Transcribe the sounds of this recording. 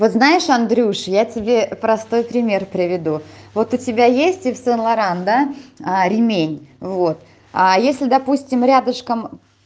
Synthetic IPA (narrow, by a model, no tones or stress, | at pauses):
vot̪znajɪʂɐnd̪ɾʲuʂjatʲɪbʲe̞pɾɐst̪o̞jpɾʲɪmʲe̞rpɾʲɪvʲɪd̪uvo̞t̪ʊtʲɪbʲajesʲtʲɪfsɨnlˠɐɾand̪aɾʲɪmʲenʲvo̞t̪ | ajesʲlʲɪd̪ɐpusʲtʲɪmɾʲad̪əʂkəm